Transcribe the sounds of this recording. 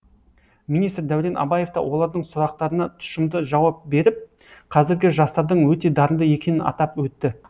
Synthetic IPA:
minist̪ɾd̪æwɾe̞nʔɑ̰bɑje̞ft̪ɑ̰wo̞lˠɑɾd̪əɴsʊɾɑqt̪ɑɾənɑt̪ʰʊ̥ʃɪmd̪əʒɑwɑp̚be̞ɾɪp̚ | qʰɑzɪɾɡʲɪʒɑst̪ɑɾd̪əɴwɵt̪e̞d̪ɑɾənd̪əje̞kʲe̞nɪnɑ̰t̪ɑpwɵt̪ːɪ

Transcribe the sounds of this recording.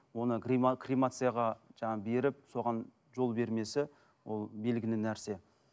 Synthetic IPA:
wo̞nəɡikrijmat̪sɨjaʁɑʒɑɴɑbe̞ɾɪp̚so̞ʁɑn | ʒo̞lˠbe̞ɾme̞sɪ | wo̞lˠbe̞lɡʲɪnɪnæɾse̞

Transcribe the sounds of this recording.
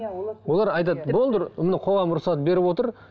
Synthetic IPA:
wo̞lˠɑɾɑjt̪̬ɑt̪bo̞lˠd̪əɾmɪnɪqʰo̞ʁɑmɾʊsɑt̪̚be̞ɾɪpwo̞t̪əɾ

